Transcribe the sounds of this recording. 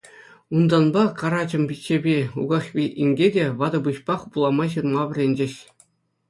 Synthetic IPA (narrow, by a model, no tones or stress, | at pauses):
und̪ɑnbɑkɑɾɑd͡ʑɤ̆mbʲit͡ɕːebʲeṵɡɑχpʲiʔiŋʲɡʲedʲeʋɑd̪ɤ̆bɯɕpɑχpulˠɑmɑɕ̬ɯrmɑʋʲɘ̆rʲenʲd͡ʑĕɕ